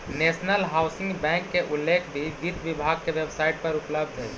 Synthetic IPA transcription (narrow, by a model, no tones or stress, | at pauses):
neːʃnəlɦaːʊsɪ̃ŋɡbɛ̃ːŋkːeʔʊlːeːkʰbʱiʋid̪ʱʋɪbʱaːɡ̚keʋebsaːɪʈ̚pɐɾʊpləbd̪ʱɦɛ